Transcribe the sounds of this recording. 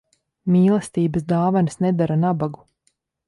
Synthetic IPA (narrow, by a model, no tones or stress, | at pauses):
mʲiːlˠɛst̪iːbəsd̪aːvansnɛd̪aɾanabaɡu